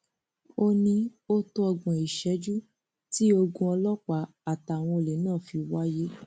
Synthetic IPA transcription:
o˧nĩ˧o˦to˦ɔ˧ɡ͡bɔ̃˨i˨ʃɛ˨˦d͡ʒu˦ | ti˦o˧ɡũ˧ɔ˧lɔ˦k͡pa˨˦ | a˨ta˨w̃ɔ̃˧e˨le˨˦nãː˦˨fi˧wa˦je˦

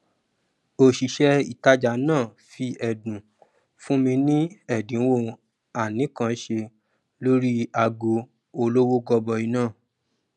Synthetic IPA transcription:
o˨ʃi˨ʃɛ˧i˨ta˧d͡ʒa˨nãː˦˨ | fi˧ʔɛ˨dũ˨ | fũ˦mĩ˧nĩ˦ɛ˦˨dĩ˨˦wo˦˧ | a˨nĩ˨˦kã˧˦ʃe˧ | lo˦ɾi˦a˧ɡo˧ | o˧lo˦wo˦ɡɔ˧bɔ˧i˧nãː˦˨

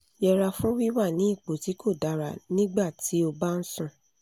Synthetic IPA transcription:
jɛ˧ɾa˧fũ˦wi˦wa˦˨nĩ˨˦i˦˨k͡po˨ti˨˦kʰo˦˨da˨ɾa˨nĩ˦ɡ͡ba˦˨ti˨˦o˧ba˦n̩˦sũ˦˨

